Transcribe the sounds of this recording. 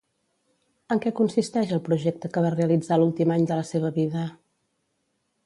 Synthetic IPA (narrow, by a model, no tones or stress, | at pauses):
əŋkɛkunsist̪ɛʃəlˠpɾuʒɛk̚t̪əkəβareəlid͡zalulˠt̪imaɲd̪ələseβ̞əβiðə